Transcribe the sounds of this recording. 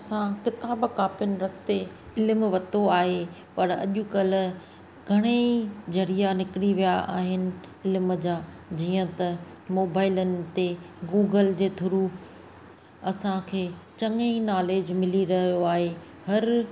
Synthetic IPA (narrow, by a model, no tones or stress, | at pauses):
ɐsãkɪt̪aːbkaːpjʊnɪ̆ɾɐst̪e | ɪlmʋɐt̪oaːɦepɐɾɐ̰ʄʊkɐlʊ̆ | ɡʱɐɽ̃eid͡ʑɐɾijanɪkɪɽiʋijaa̰ːɦɪnɪ̆ɪlɪməd͡ʑaː | d͡ʑiːə̃t̪ɐmoːbaːɪlənɪ̆t̪eɡuːɡəld͡ʑeːt̪ʰʊɾu | ɐsãkʰeːt͡ɕɐŋeinaːleːd͡ʑmɪliɾɐɦijoaːɦe | hɐɾ